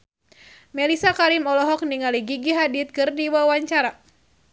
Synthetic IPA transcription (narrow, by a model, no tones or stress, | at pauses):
mɛlisakaɾimɔlɔɦɔk̚niŋaliɡiɡiɦadit̪̚kɨrdiwawaɲt͡ʃaɾa